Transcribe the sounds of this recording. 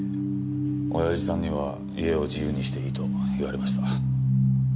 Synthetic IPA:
o̞̰jaʑisãɲ̟ːiβ̞a | ie̞o̞d͡ʑijɯ̟ːɲ̟iɕi̥t̪e̞it̪o̞iβaɾe̞maɕi̥t̪a

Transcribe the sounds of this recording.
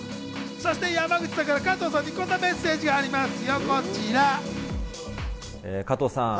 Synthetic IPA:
so̞ɕi̥t̪e̞jamaɡɯ̟t͡ɕid̪akaɾakat̪oːsãɲ̟ːiko̞nːome̞sːe̞ːʑiɡaːɾʲimasɨjoko̞t͡ɕiɾa | ekat̪oːsã̰

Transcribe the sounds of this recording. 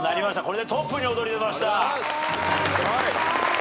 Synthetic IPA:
naɾʲimaɕi̥t̪ako̞ɾe̞d̪e̞t̪opːɯɲiod̪o̞ɾʲid̪e̞maɕi̥t̪a

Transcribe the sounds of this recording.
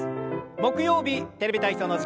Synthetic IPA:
mo̞kɯ̟jo̞ːbʲit̪e̞ɾebʲit̪aiçʲt̪onos

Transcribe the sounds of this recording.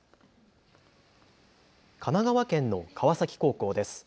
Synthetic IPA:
kʰanaɡaβakẽ̞nːo̞kʰaβasakʲi̥ko̞ːko̞ːd̪e̞sɨ̥

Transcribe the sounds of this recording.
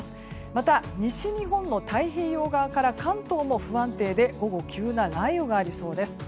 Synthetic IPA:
sɨ̥ | mat̪aɲ̟iɕiɲ̟iɦõ̞nːo̞t̪aiɦe̞ːjo̞ːɡaβakaɾakãnt̪o̞ːmo̞ɸɯ̟ãnt̪e̞ːd̪e̞ɡo̞ɡo̞kʲʰɨːnaɾaioɡaːɾʲiso̞ːd̪e̞sɨ̥

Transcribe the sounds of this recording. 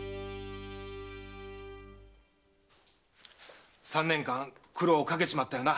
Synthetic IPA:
sãnːẽ̞ŋkãŋkʰɯ̟ɾo̞ːkak̬e̞ɕimat̪ːajo̞ːna

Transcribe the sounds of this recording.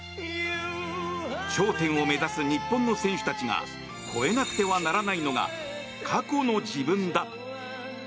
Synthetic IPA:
ɕo̞ːt̪ẽ̞ɰ̃o̞me̞zasɨɲ̟ipːõ̞nːo̞sẽ̞ɰ̃ɕɨ̥t̪at͡ɕiŋa̰ | kʰo̞e̞nakɯ̟̥t̪e̞βanaɾanaino̞ɡa̰ | kʰako̞no̞d͡ʑibɯ̟̃nd̪a

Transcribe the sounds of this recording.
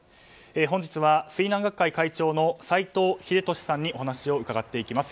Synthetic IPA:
eːɦõ̞ɲ̟d͡ʑit͡sɨβasɨinãŋɡakːaikait͡ɕo̞ːno̞sait̪o̞ːçid̪e̞t̪o̞ɕi̥sãɲ̟ːiʔo̞ɦanaɕio̞ɯ̟kaɡat̪ːe̞ikʲimasɨ̥

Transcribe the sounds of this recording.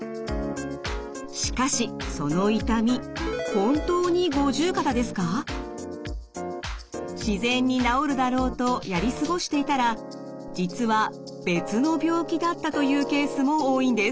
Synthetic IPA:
ɕi̥kaɕiso̞no̞it̪amʲihõ̞nt̪o̞ːɲ̟iɡo̞ʑɨːkat̪ad̪e̞sɨ̥ka | ɕizẽ̞ɲ̟ːinao̞ɾɯ̟d̪aɾo̞ːt̪o̞jaɾʲisɨɡo̞ɕi̥t̪e̞it̪aɾa | d͡ʑit͡sɨβa | b̥e̞t͡sɨno̞bʲjo̞ːkʲid̪at̪ːat̪o̞jɯ̟ːke̞ːsɨmo̞oːĩnd̪e̞s

